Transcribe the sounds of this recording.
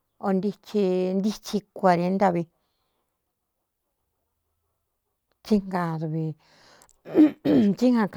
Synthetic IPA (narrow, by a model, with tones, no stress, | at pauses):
o˧nd̪i˧t͡ʃi˧nd̪i˦t͡ʃi˧kʷa˧ɾe˧˦nt̪a˧βi˧ | t͡ʃi˦ŋɡã˧ɾβi˨ | t͡ʃi˦ŋã˧k